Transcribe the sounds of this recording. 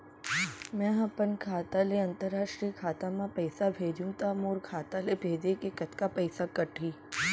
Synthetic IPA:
mɛ̃ɦapənkʰaːt̪aleɐnt̪əɾːaʃʈɾiːkʰaːt̪amãpəjsabʱed͡ʒũt̪amoɾkʰaːt̪alebʱeːd̪ekekət̪kapəjsakəʈʰiː

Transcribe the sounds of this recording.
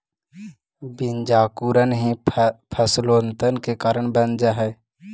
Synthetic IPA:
bɪnd͡ʒaːkuɾənɦĩpʰəsloːnt̪ənkekaːɾəɳbənd͡ʒaɦɛː

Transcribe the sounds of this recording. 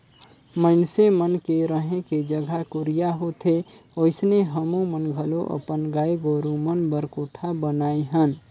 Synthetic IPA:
məɪnsemənkeɾəɦẽked͡ʒəɡʱakuɾijaɦot̪ʰe | oɪsneɦəmũmənɡʱəloʔə̰pənɡaiɡoɾumənbəɾkoʈʰabənaiɦən

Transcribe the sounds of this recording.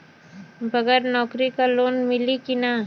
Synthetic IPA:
bʱɐɡəɾnɔːkɾikaloːnmɪlikina

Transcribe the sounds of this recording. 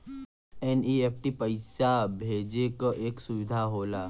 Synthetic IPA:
ɛnieːpʰʈipəɪsabʱeːd͡ʒekoʔeːksʊʋɪd̪ʱaɦoːlaː

